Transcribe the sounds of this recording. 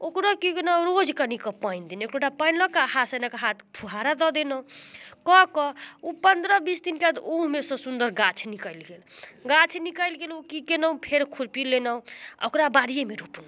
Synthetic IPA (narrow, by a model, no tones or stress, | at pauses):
okɾɔkikenɔɾod͡ʒkanikɔpajnd̪enekʈoʈapajnlɔkaɦat̪senakaɦat̪ʰpʰuɦaɾad̪ɔd̪enɔ̃kɔkɔupənd̪ɾəbisd̪inkead̪umesʌ̃sund̪əɾɡat͡ʃʰnikəjlɡelɡat͡ʃʰnikəlɡelukikenɔũpʰeɾkʰuɾpilenɔũo̰kɾabaɽijemeɾupn